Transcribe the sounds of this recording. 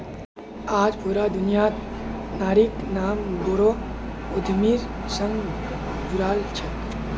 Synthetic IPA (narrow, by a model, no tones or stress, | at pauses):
aːd͡ʒboɾaːd̪unijat̪naːɾiknaːmɡoːɾo | od̪ʱmiːɾsə̃ŋɡ | d͡ʒuɾaːlt͡ʃʰe